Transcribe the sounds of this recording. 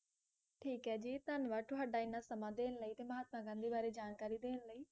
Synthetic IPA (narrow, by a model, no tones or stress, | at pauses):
ʈʰiːkɦɛːd͡ʒiːt̪ənʋaːʈʊɦaːɖaːɪnːaːsəmãːd̪eːnləiːt̪eːməɦaːt̪mãːkãːnd̪iːbaːɾeːd͡ʒaːnkaːɾiːd̪eːnləiː